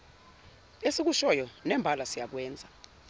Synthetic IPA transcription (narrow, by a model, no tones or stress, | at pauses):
esik̬uʃɔjɔnɛmbʱalasijaɓwɛːnd͡zʱa